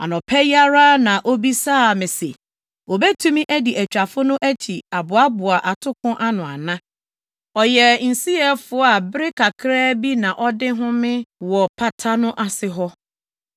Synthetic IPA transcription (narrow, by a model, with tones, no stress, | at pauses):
ã̰˨nɔ̃˨pʰɛ˦ja˦ɾa˦nã˨ʔo˦bi˦saː˦˨mɪ̃˨se˨ | o˨bɛ˦tʰũ˦mĩ˦ʔæ˦di˨ʔæ˨t͡ɕᶣa˨fʊ˦nʊ̃˦ʔæ˦t͡ɕʰi˨a˨bʊ˨a˦bʊ˨a˨ʔa˨tʰʊ˦kʰʊ̃˦ʔa˦nʊ̃˨a̰˨nã˦ | ɔ˨jɛ˨n̩˨si˦ɛ˦fʊ˦a˨bɪ˦ɾɪ˦kʰa˨kʰɾɛː˦bi˦nã˨ʔɔ˦dɪ˦ɦʊ̃˦mɪ̃˦wɔ˨pʰa˨tʰa˦nʊ̃˦ʔa˨sɪ˨ɦɔ˦